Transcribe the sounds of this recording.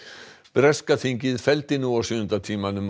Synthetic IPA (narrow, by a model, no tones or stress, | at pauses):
b̥ɾɛskaθiɲcɪðfɛlt̪ɪnuasʏːðʏnt̪at̪ʰiːmanʏm